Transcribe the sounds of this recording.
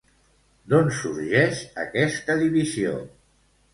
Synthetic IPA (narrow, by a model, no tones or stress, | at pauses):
d̪onsuɾʒɛʃə̰kɛst̪əðiβizio̰